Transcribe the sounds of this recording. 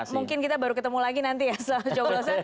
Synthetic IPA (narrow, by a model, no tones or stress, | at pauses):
muŋkɪnkit̪abaɾukət̪əmulaɡinant̪ijasat͡ʃoɡosa